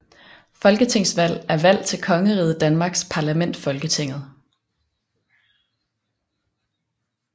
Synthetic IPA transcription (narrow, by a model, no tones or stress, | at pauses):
fɒ̽lɡ̥ət͡sʰe̝ŋ̰sʋæl̰æɐʋæl̰t͡sʰe̝lkʰɒ̽ŋəʁiːð̩ˠd̥ænmɑ̈ːɡ̥spʰɑ̈læmen̰d̥fɒ̽lɡ̥ət͡sʰe̝ŋ̰ð̞̩ˠ